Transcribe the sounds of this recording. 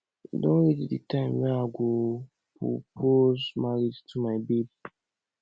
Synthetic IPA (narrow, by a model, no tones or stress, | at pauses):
dõnɹitditʰãɪ̃mwɛ̃naɡo | pɹo̰pʰozmaɹid͡ʒtʰumaɪbid